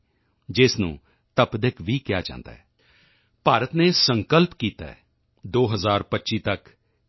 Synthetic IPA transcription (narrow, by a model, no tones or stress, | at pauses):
d͡ʒɪsnṵ̃ː | t̪əpd̪ɪkʰʋiːkɪja̰ːt͡ʃã̰ːnd̪a̰ːɦɛː | paːɾət̪neːsəŋkəlpkiːt̪a̰ːɛ̰ | d̪oːɦəzaːɾpətːʃiːt̪ək